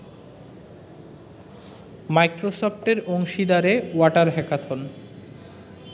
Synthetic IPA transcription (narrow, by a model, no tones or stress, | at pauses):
majkɾosɔpʈeɾoŋʃid̪aɾewaʈaɾɦɛkat̪ʰon